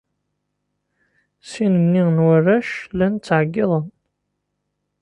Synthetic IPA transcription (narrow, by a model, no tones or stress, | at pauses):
sinəmninwərːæʃlænt͡sːʕəɡːiðˤən